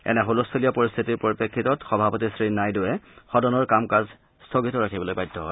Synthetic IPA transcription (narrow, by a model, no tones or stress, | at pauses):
ɛ̰nɛɦolostʰolijɔpɔɹist̪ʰitiɹpoɹipɹekʰːitɔtxɔbʱapɔtisɹinajdʊɛxɔdɔnɔɹkamkaz | stʰɔɡitɔɹakʰibɔlojbajdʰʱːɔɦɔ̰j